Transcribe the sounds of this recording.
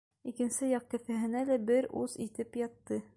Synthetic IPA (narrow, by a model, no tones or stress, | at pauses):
ikɘ̆nsɘjɑq̚kɘ̆fæɦɘ̆nælæbɘɾʔuzit̪ɘpjɑt̪ːɤ